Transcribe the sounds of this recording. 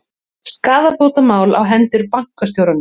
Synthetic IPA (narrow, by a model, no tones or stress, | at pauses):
skaːðapowt̪amaːwla̰wɦɛnt̪ʏɾpaŋ̥kast̪jowɾanːʏ